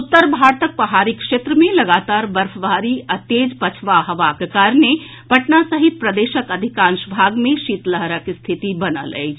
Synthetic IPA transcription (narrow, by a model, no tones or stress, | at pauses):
ʊt̪ːəɾbʱaɾt̪ək̚pɾəɦaːɾikʃeːt̪ɾəmẽləɡaːt̪aːɾbəɾfʰbʱaːɾiət̪ːeːd͡ʒpət͡ʃʰʋaɦɐʋakekaːɾne | pɐʈnasəɦit̪̚pɾəd̪eːʃəkəd̪ʱikãnʃbʱaːɡmẽʃiːt̪ləɦɾəkst̪ʰit̪ibənə̰lə̰j